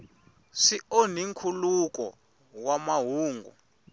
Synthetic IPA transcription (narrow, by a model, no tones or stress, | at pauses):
sioniŋkʰulukɔ̰ | wamaɦuːŋɡṵ